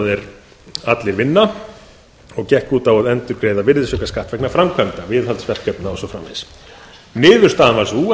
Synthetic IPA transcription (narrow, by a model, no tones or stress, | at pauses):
ðɛɾ | at̪lɪɾvɪnːa | ɔɣcɛhkuːt̪awaðɛnt̪ʏɾkɾeːjðavɪɾðɪsœkaskaht̪vɛknafɾamkʰœnt̪avɪðɦalt̪svɛr̥kœpnaɔsɔfɾa̰mːḛs | nɪːðʏɾ̥st̪aːðanvaɾsu